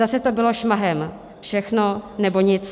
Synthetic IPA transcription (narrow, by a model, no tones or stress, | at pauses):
asɛt̪o̞bɪlo̞ʃmaɦɛm | fʃɛxno̞nɛboɲɪt͡s